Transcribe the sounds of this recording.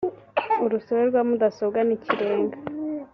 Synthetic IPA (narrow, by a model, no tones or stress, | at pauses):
uɾusoβeɾɡwaːmudasobɡaniciɾeːŋɡa